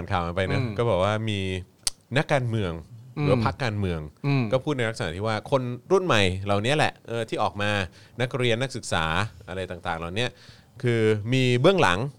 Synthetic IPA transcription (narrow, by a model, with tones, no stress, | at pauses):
nkʰaː˨˩wʔa˧pa˧jna˦˥kɔː˥˩bɛː˨˩k̚waː˥˩miː˧ | na˦˥kːaː˧nmɯ˧əŋɾɯː˩˦ɐpʰa˦˥kːaː˧nmɯ˧əŋkɔː˥˩pʰu˥˩t̪̚na˧jɾa˥ksaː˨˦t̪ʰiː˥˩waː˥˩kʰo˧nɾu˥˩nma˨˩jla˨˩wni˦˥ɐlɛ̰˨˩ʔʔɤː˧˩t̪ʰiː˥˩ʔɔː˨˩k̚maː˧na˦˥k̚ɾi˧ənːa˦˥k̚sɯ˨˩k̚sa̰ː˩˦ʔa˧ɾa˧jt̪aː˨˩ŋt̪aː˨˩ŋla˨˩wni˦˥ɐʔ | kʰɯː˧miː˧bɯ˥˩əŋla̰˩˦ŋ